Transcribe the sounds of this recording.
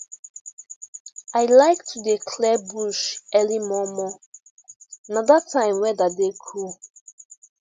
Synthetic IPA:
aɪlaɪk̚tʰudikʰlɛbuʃɛlimɔmɔ | nadatʰãɪ̃mwɛdadekʰu

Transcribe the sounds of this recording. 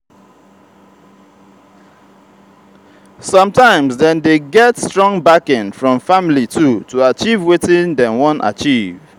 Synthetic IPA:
sʌ̃mtãɪ̃mzdɛ̃ndeɡɛtstɹɔ̃ŋbakɪ̃nfɹɔ̃ɱfamlitʰutʰuat͡ʃivwetɪ̃ndɛ̃nwɔ̃nʔa̰t͡ʃiv̥

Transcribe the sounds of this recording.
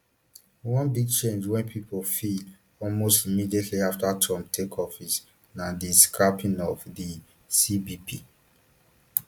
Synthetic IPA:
wɔ̃nbiɡ̚t͡ʃẽnd͡ʒwɛ̃npʰipʰofid | ɔlmostimidietʰliaftatʰɔ̃mtʰekʰɔfis | nãdiskɹapĩnɔvdi | sibipʰi

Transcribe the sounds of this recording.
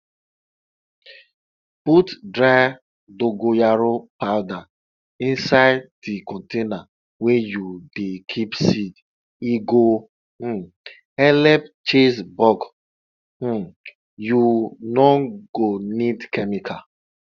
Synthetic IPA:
butdɹaɪ | doɡojaɾopawda | ĩnsaɪddikɔ̃ntena | wejudekʰipsid | iɡo | ɛlɛpt͡ʃesbɔɡ̩ | junɔɡonidkɛmikʰa

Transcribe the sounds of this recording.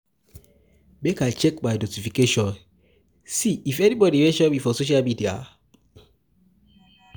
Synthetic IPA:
bekat͡ʃɛkbaɪnotifikeʃɔ̃n | siʔifɛnibɔdiweʃɛbifɔsoʃ̬almidia̰

